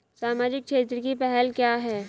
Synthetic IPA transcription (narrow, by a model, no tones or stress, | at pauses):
saːmaːd͡ʒɪk̚ʃʰeːt̪ɾəkipɛɦɛlkjaːɦɛː